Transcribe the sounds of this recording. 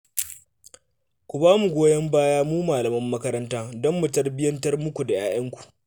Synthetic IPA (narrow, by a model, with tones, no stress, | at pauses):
kʷu˨baː˦mu˨ɡʷoː˦jɐ˦mbaː˦jaː˦muː˦maː˨lɐ˨mɐ˦mːɐ˦kɐ˦ɾɐ˦ntaː˦dɔ˦mːu˨tɐ˦rbɪ˦jɐ˦ntɐ˦rmʊ˦kʷu˨da˨jʔaː˨˦jɐ˦ŋkʷu̥˨ʔ